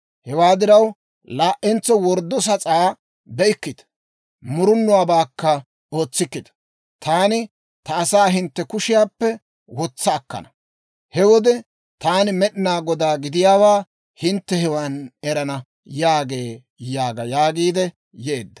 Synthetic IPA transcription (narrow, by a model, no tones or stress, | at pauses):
hɛwaːd̪ɪɾɐw | laːʔːɛnt͡sːɔwɔɾd̪ːɔs̬ɐt͡sʼaː | bɛɪkːɪd̪ɐ̥ | mʊɾʊnːʊwaːbaːkːɐ | o̞ːt͡sːɪkːɪd̪ɐ̥ | t̪aːnɪ | t̪ɐːsaːɦɪnt̪ːɛkʊʃɪjaːpːɛ | wɔt͡sːɐːkːɐ̰nɐ | hɛwɔd̪ɛ | t̪aːnɪmɛɗɪnaːɡɔd̪aːɡɪd̪ɪjaːwaː | hɪnt̪ːɛhɛwaːnɛɾɐnɐ | jaːɡe̞ː | jaːɡɐjaːɡiːd̪ɛ | jeːd̪ːɐ̥